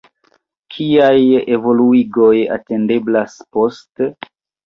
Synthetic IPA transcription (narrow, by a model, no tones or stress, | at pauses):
kʰiaje̞vo̞luiɡo̞ja̰te̞nde̞blaspo̞st